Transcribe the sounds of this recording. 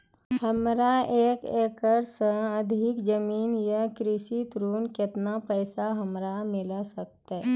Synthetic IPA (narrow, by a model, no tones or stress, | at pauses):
həmɾaeːkeːkəɾsəəd̪ʱɪkd͡ʒəmiːnjakɾɪʃit̪ɾuːnkɪt̪napɛːsaɦəmɾamɪlasək̚t̪aɦɛ